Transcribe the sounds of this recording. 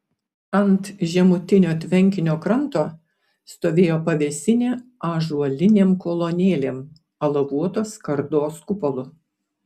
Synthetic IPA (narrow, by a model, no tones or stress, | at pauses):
ɐnt̪ʒʲɛmʊt̪ʲɪnʲoːt̪ʲʋʲɛŋʲkʲɪnʲoːkɾɐnt̪oː | st̪oːʋʲeːjoːpɐʋʲɛsʲɪnʲeːɑʒuɔlʲɪnʲeːmkɔlˠonʲeːlʲeːm | ɐlˠɐʋuɔt̪oːskɐɾd̪oːskʊpɔlˠʊ